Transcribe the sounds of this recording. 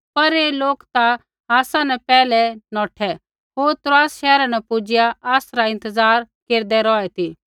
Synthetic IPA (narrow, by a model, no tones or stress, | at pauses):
pɐɾeːloːkt̪a | aːsãnɛpɛːlɛnɔːʈʰɛ | ɦoːɾt̪ɾaːsʃɛːɾãnɛpʊd͡ʒɪjaaːsɾaɪ̃nt̪əzaːɾ | keːɾd̪ɛɾɔːɛt̪ʰiː